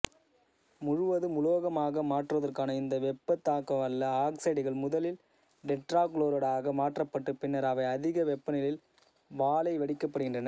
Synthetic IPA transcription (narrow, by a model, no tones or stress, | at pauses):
mʊɻʊʋɐðɯmʊloːɣɐmaːɣɐmaːʈrɐðɐrkaːnɐɪnd̪ɐʋɛpːɐt̪ːaːkːɐʋɐɭːɐaːksɐɪɽɪɣɐɭmʊðɐlɪl | ɖɛʈɾaːkloːɾɐɽaːɣɐmaːʈrɐpːɐʈːɯpɪnːɐɾɐʋɐɪɐðɪɣɐʋɛpːɐnɪlɪl | ʋaːlɐɪʋɐɽɪkːɐpːɐɽɯɣɪndrɐnɐ